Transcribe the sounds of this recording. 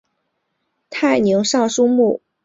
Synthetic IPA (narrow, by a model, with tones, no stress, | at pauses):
t̪ʰa˥˩ɪni˧˥ŋʂɑ˥˩ŋʂu˥mu˥˩